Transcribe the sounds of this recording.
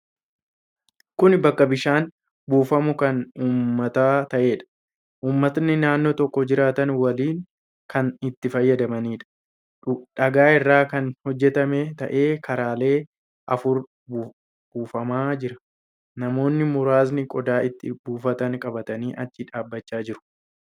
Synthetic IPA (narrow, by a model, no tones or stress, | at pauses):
kʊnbɐkːɐbɪʃaːn | buːfɐmʊkɐnuːmmːɐt̪aːt̪ɐʔe̞ːᶑɐ̥ | ʔuːmːɐt̪nɪnaːnːoːt̪ɔkːɔd͡ʒɪɾaːt̪ɐnwɐliːŋ | kɐnɪt̪ːɪfɐjːɐd̪ɐmɐniːᶑɐ̥ | ᶑɐɡaːɪrːaːkɐnhɔd͡ʒːɛt̪ɐmɛt̪ɐ̰ʔe̞ːkɐɾaːle̞ː | ʔɐfʊɾ | b | buːfɐmaːd͡ʒɪɾɐ̥ | nɐmo̞ːnːɪmʊɾaːsnɪkʼɔd̪aːɪt̪ːɪbuːfɐt̪ɐŋkʼɐbɐt̪ɐniːʔɐt͡ʃːɪᶑaːbːɐt͡ʃːaːd͡ʒɪɾʊ̥